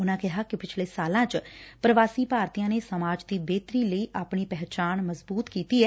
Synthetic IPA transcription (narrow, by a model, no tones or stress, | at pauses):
ʊnãːkɪɦaːkɪpɪt͡ʃʰleːsaːlãːt͡ʃpɾəʋaːsiːpaːɾt̪ijãːneːsəmaːd͡ʒd̪iːbeːt̪ɾiːləiːʔaːpɳiːpɛɦt͡ʃaːnməzbuːt̪kiːt̪iːɛː